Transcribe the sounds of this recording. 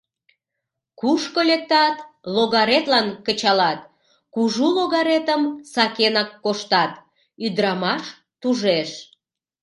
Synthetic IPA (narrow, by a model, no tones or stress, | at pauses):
kuʃkolek̚t̪ɑt̪loɣɑɾet̪lɑnkət͡ɕɑlɑt̪ | kuʒuloɣɑɾet̪əmsɑkenɑkːoʃt̪ɑt̪ | yd̪ɾɑmɑʃ | t̪uʒeʃ